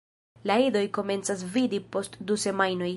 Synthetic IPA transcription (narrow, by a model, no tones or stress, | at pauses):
laido̞jko̞me̞nt͡sas̬vidipo̞stduse̞majno̞j